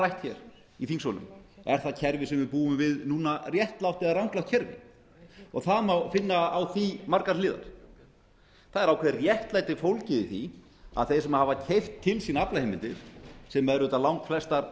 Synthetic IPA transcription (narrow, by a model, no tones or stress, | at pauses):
ajht̪çɛ̰ɾ̥ | iθiŋsɔlʏ̰mɛɾ̥θaðcʰɛɾvɪsɛmvɪpuːʏmvɪðnuːnarjɛht̪lawht̪ɛðaɾrawŋklawht̪cʰɛɾvɪ̰ | ɔɣθaðmawfɪnːaawθimaɾkaɾlɪːða̰ɾ̥ | θaðɛɾawkʰvɛɾrjɛht̪lajt̪ɪ̥fowlcɪðɪθi | a̰ðθejsɛmahavacʰejft̪ʰːɪlsiːnaaplahejmɪnt̪ɪ̰ɾ̥sɛmːɛðɾʏt̪alawŋkflɛst̪aɾ